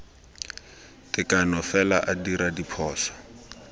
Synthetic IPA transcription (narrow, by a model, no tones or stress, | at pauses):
tɪkanɔfɛlaʔadiɾadipʰɔːsɔ̥